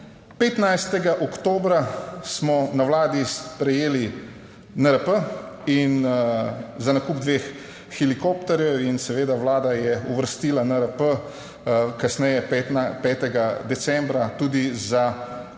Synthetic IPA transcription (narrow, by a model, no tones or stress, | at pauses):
pet̪najst̪ɛɡaʔɔkt̪oːbɾasmɔnawlaːd̪ispɾɛjeːli | nəɾəpəin | zanakuːbd̪ʋeːxː | ilikoːpt̪ɛɾjɛwinsɛʋeːd̪awlaːd̪ajɛuʋəɾst̪iːlanəɾəpə | kasnɛjɛp̪pɛːt̪ɛɡad̪ɛsɛ̃mbɾat̪uːd̪iza